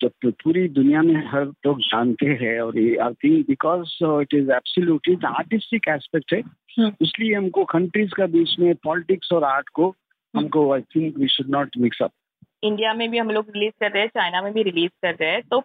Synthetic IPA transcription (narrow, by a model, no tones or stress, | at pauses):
d͡ʒobpuːɾid̪ʊnijamẽɦɐɾloːɡd͡ʒaːnt̪eɦɛ̃ɔːɾjea̰ɪt̪ʰɪ̃ŋbɪkɔːzɪʈɪzæb̥səljuːʈɪa̰ːɾʈɪsʈɪkɛːspɛk̚ʈɦɛ̃ː | ɪslieɦɐmkokɐ̃ɳʈɾizkabiːt͡ʃmẽpɔːlɪʈɪksɔːɾaːɾʈko | ɦɐmkoaɪt̪ʰɪ̃ŋkʋiːʃʊɖnɔːʈmɪksɐ̰p̚ | ɪ̃ɳɖijamẽbʱiɦɐ̃mloːɡɾɪliːzkɐɾt̪eɦɛt͡ʃaːɪnamẽbʱiɾɪliːzkɐɾt̪eɦɛ̃t̪oː